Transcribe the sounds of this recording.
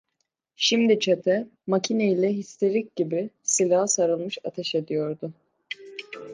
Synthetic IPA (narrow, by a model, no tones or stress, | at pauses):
ʃimd̪it͡ʃʰat̪ʰɛmacʰinejilʲɛɦist̪ʰe̞ɾic̚ɟibɪsilʲaɦsaɾɯlˠmɯʃat̪ʰɛʃe̞d̪ijo̞ɾd̪ʊ